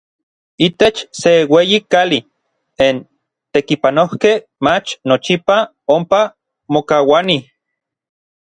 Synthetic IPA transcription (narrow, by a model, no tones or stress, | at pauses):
it̪et͡ʃseweːjikali | en | t̪ekipanohkeh | mat͡ʃnot͡ʃipa | ompa | mokawani